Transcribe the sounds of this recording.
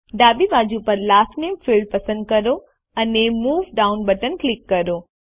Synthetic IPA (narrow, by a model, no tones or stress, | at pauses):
ɖaːbibaːd͡ʑupɐɾlaːfneːmfilɖ̚pɐsə̃nd̪̚kɐɾo | ɐnemuːʋɖaːʊnbɐʈənklɪkːɐɾoː